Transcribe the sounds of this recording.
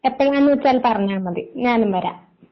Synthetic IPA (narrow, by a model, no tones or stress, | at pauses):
epːɐɭanːɨʋɐt͡ɕːaːlpɐrɐɲːaːnːɐðɨɲaːnumʋɐɾa̰ːm